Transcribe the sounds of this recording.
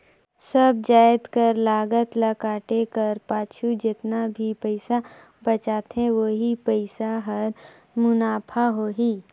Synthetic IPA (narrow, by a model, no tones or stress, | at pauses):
sɐb̚d͡ʒaːɪt̪kəɾlaːɡət̪lɐkaːʈekɐɾpaːt͡ʃʰud͡ʒɪt̪nabʱipəɪsa | bɐt͡ʃaːt̪ɦɛ̃ʋoːɦipəɪsaɦɐɾ | mʊnaːpʰaɦoːɦiː